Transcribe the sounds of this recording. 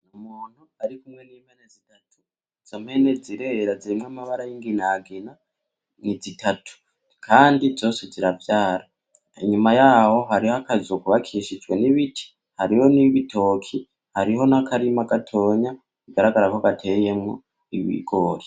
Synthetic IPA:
nomuːn̥uaɾikumŋe̞niːmhenezitatʰu | z̥omhe̞ne̞ziɾe̞ɾaziɾimŋamaβaɾajiŋɡinaɡina | nizitʰatʰu̥ | kʰaːndizo̞ːse̞ziɾavjaːɾa | ḭɲumajaːho̞ɦaɾihakazokuβakʰiʃid͡ʒwe̞niβitʰi̥ | haɾiho̞niβito̞ːkʰi | haɾiɦo̞nakʰaɾimaɡatʰo̞ːɲa | iɡaɾaɡaɾakoaɡatʰe̞je̞mŋo̞̰ | iβḭːɡoːɾi

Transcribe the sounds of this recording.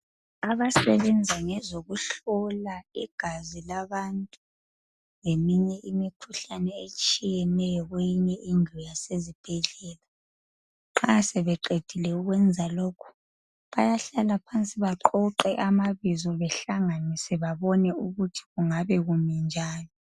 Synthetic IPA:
aβasɛβɛnd͡zʱaŋɛzoɣuɬɔlaiɡ̥ʱazilaβantʼu | ŋemiɲɛʔimikʰuɬanɛet͡ʃʼijɛnɛjɔɣwejiɲɛʔinʱɔjasezib̥ʱɛɮɛːla | ŋ͡ǁasɛβɛǃed̥ʱilɛuɣwɛnd͡zʱaloːkʰu̥ | βajaɬalapʰant͡sʼiβaǃɔǃɛʔamaβizɔβɛɬaŋanisɛβaβɔnɛuɣutʰi̥ɣuŋaβɛɣumind͡ʒʱaːlɔ

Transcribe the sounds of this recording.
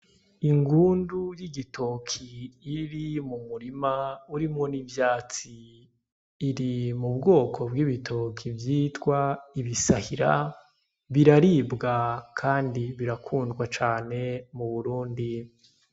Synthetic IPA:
iŋɡuːndujiɡitʰokʰiːɾimumuɾimauɾimŋo̞nivjaːt͡siː | ɾimubɡo̞ːkʰo̞bɡiːβitʰo̞kʰivjiːtwaiβisahiɾa | βiɾaɾiːbɡakʰaːndiβiɾakʰuːndɡwat͡ʃaːne̞muβuɾuːndi

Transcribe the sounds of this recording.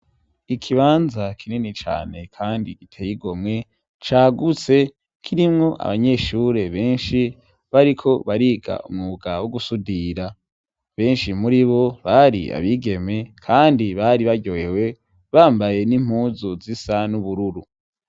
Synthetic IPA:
ikʰiβaːnzakʰininit͡ʃa̰ːne̞kʰaːndiɡ̥itʰejiɡo̞mŋe̞ | t͡ʃaːɡut͡se̞ | kʰiɾimŋo̞ʔa̰βaɲe̞ːʃuɾe̞βe̞ːnʃi | βaɾikʰo̞βaɾiːɡa̰ṵmŋuɡawoɡusudiɾa | βe̞ːnʃimuɾiβo̞βaɾḭa̰βiɡe̞me̞kʰaːndiβaɾiβaɟoewe̞ | βaːmbaje̞nim̥huzuzisanuβuɾuɾu

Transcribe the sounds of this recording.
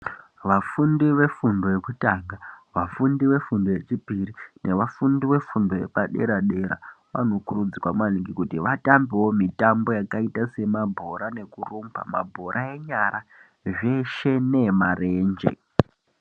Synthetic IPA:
ʋafundiʋe̞fundo̞jekutaɡaʋafundiʋe̞fundo̞je̞t͡ʃipirinʔe̞ʋafundiwe̞fundo̞je̞̰paɗe̞ɾaɗe̞ɾa̰ʋa̰no̞kuɾud͡zikwamwaliŋɡikutiʋatambiwo̞mitambo̞jakaitase̞mabʱo̞ɾane̞kurumpa̰ma̰bʱo̞ɾʔae̞ɲaɾa | ʐe̞ʃe̞ne̞mare̞ːnd͡ʒe̞̰

